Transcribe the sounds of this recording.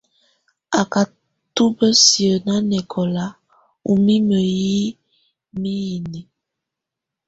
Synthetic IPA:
a˨ka˨ | tu˦bə˦si˨ə˨na˦nɛ˨kʰɔ˨la˦ | u˨mi˦mə˨ji˦ | mi˦ji˨ni˨

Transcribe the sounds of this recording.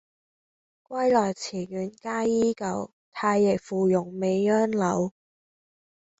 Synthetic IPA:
kwʷɐ˥jlɔː˨˩jt͡sʰiː˨˩jyː˨˥nkaː˥jiː˥kɐ˨˧w | t̪ʰaː˧jːɛː˨˩k̚fuː˨˩jʊ˨˩ŋme˨˧jœː˥nlɐ˨˧˥w

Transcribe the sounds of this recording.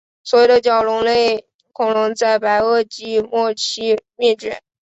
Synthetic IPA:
swɔ˧˥jo˨˩ʊd̪ə˦t͡ɕjɑ˨˩ʊlʊ˧˥ŋle˥˩ɪ | kʰʊ˨˩ŋlʊ˧˥ŋt͡sa˥˩ɪpa˧˥ɪɤ˥˩t͡ɕi˥mwɔ˥˩t͡ɕʰi˥mɛ˥˩ʈ͡ʂɥɛ̰˨˩˦

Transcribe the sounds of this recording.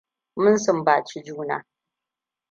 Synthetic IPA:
mʊ˦nsʊ˨mbaː˨t͡ʃi˦d͡ʒuː˦na̰ː˦

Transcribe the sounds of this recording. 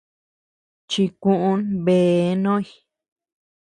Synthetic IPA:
t͡ʃi˧kũ˧ʔũ˦nβe˨nõ˦i˧

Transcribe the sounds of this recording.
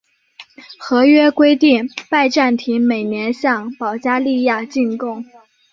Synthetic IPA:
xɤ˧˥ɥɛ˥kwe˥ɪt̪i˥˩ŋpa˥˧ɪʈ͡ʂa˥˩nt̪ʰi˧˥ŋme˨˩ɪnjɛ˧˥nɕjɑ˥˩ŋpɑ˨˩ʊt͡ɕja˥li˥˧ja˥˧t͡ɕi˥˧nkʊ˥˩ŋ

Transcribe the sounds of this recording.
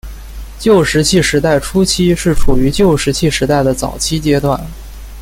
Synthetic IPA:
t͡ɕjo˥˩ʊʂɻ̩˧˥t͡ɕʰi˥˩ʂɻ̩˧˥t̪a˥˩ɪʈ͡ʂʰu˥t͡ɕʰi˥ʂɻ̩˥˩ʈ͡ʂʰu˨˩y˧˥t͡ɕjo˥˩ʊʂɻ̩˧˥t͡ɕʰi˥˩ʂɻ̩˧˥t̪a˥˩ɪd̪ə˩t͡sɑ˨˩ʊt͡ɕʰi˥t͡ɕjɛ˥t̪wa˥˩n

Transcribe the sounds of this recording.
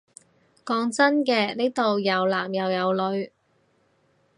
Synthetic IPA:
kɔː˨˧ŋt͡sɐ˥nkɛː˧ne˥t̪o˨wjɐ˨˧wlaː˨˩mjɐ˨wjɐ˨˧wlɵ˨˧ɥ

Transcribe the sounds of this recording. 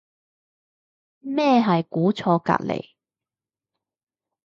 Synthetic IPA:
mɛː˥˧ɦɐ˨jkuː˨˥t͡sʰɔː˧ka̰ː˧t̚lḛ˨˩j

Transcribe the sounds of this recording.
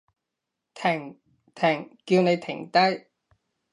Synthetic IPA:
t̪ʰɪ˨˩ŋ | t̪ʰɛ˨˩ŋkiː˧wne˨˧jt̪ʰɪ˨˩ŋt̪ɐ˥j

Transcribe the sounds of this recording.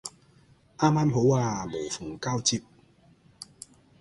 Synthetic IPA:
ʔa˦˥ma˧˥mɦo˨˦wa˧˩me˨˩jfu˨˩ŋka˥˧wt͡ɕi˧˥p̚

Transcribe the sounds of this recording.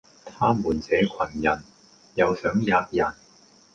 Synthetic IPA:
t̪ʰaː˥muː˨˩nt͡sɛː˨˥kʰɐ˨˩njɐ˨˩n | jɐ˨˧wsœː˨˥ŋjaː˧t̚jɐ˨˩n

